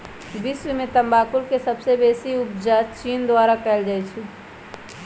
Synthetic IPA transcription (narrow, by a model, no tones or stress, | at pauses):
biswimẽt̪əmbaːkulkesəbsebesiupd͡ʒat͡ʃiːnd̪waɾakɛld͡ʒajt͡ʃʰi